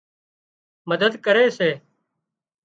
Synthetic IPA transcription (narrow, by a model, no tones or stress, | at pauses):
məd̪əd̪kəɾeːseː